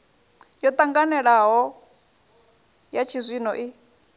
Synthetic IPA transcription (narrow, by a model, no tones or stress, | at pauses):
jɔt̪ʼaŋɡanɛɺaɦɔ | jat͡ʃʰizʷinɔʔi